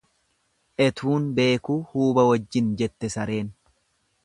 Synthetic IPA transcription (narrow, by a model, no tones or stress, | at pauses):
ʔɛt̪ʰuːnbe̞ːkuːhuːbɐwɐd͡ʒːɪnd͡ʒɛt̪ːɛsɐɾe̞ːn